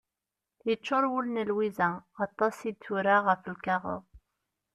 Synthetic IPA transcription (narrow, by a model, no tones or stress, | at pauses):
jət͡ʃːʊɾˤwulnəlwizæɑt̪ˤːɑsid̪θuɾaʁəflukɑʁʊ̰ð